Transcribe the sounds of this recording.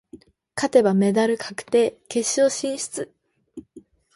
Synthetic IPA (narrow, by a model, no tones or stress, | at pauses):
kat̪e̞bame̞d̪aɾɯ̟kʰḁkɯ̟̥t̪e̞ːke̞ɕio̞ɕĩːɕi̥t͡sɨ